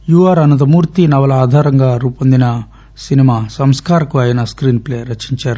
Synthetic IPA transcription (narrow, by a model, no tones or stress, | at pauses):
juʋaɾɐnɐt̪̬ɐmuːɾt̪inɐʋɐlɐaːd̪ʱaːɾɐŋɡaːɾuːpond̪inɐ | sinimaːsɐmskaːɾɐkuaːjɐnɐskɾiːnpleːɐɾɐt͡ʃiɲt͡ʃaːɾu